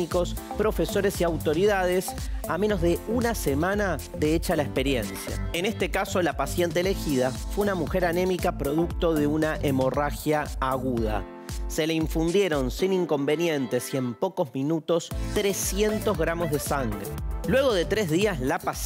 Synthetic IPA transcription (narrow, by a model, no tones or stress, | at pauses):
iko̞spɾo̞fe̞so̞ɾe̞siawt̪o̞ɾiðað̞esamenozðe̞unasemana | ðeet͡ʃalaespe̞ɾjensja̰enest̪ekaso̞lapasjent̪eeːle̞xiðafweunamuxe̞ɾanẽ̞mikapɾo̞ðuk̚t̪o̞ðe̞unaʔemo̞raxjaːɣuð̞a̰ | se̞leiɱfund̪je̞ɾo̞nsiniŋko̞mbe̞njẽ̞nt̪esie̞mpo̞ko̞zmĩnut̪o̞st̪ɾesje̞nt̪o̞zɣɾamo̞zðesaŋɡɾelwe̞ɣo̞ðe̞t̪ɾe̞zðiaslapas